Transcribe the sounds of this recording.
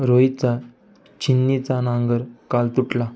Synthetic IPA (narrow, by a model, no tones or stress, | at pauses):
ɾoit͡sa | t͡ɕinːit͡sanãŋɡəɾkalt̪uʈla